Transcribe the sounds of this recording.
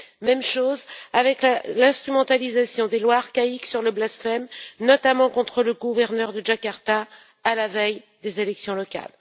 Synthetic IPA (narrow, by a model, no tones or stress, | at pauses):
mɛmʃozavɛklalɛ̃st̪χymɑ̃t̪alizasjɔ̃d̪elwaːʁkaiksyʁləblasfɛmnɔt̪amɑ̃kɔ̃t̪χələɡuvɛʁnœʁd̪əʒakaʁt̪aː | lavɛj | d̪ezelɛksjɔ̃lɔka̰l